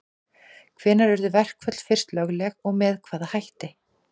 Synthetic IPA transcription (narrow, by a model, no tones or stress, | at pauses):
kʰvɛːnaɾœɾðʏvɛr̥kʰvœt̪l̥fɪr̥st̪lœɣlɛɣɔɣmɛːðkʰv̥aːðahajht̪ɪ